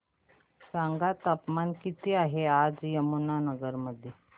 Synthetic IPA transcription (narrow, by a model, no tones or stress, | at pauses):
saŋɡat̪apmankit̪iːaɦead͡zjəmunanəɡəɾməd̪ʱje